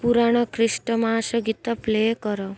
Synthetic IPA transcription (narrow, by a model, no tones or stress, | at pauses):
puɾaɽ̃ɔkɾɪʃʈəmaɦaʃɔɡit̪aplejkɔɾɔ